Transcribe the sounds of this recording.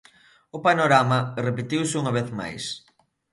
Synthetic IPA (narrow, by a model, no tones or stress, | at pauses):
ʊpanoɾamɐrepet̪iwsɪuŋɐβ̞eθma̰js